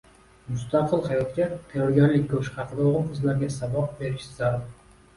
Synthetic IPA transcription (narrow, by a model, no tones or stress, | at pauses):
mʊst̪aqʰɨlˠhajɒt̪kʲat̪ʰɑjɒɾɡʲanlɪkʲkʰɵʃχɑqʰɨd̪aoʁɨnqʰəzlaɾɡʲasabɑq̚be̞ɾɪʃɪzaɾd̪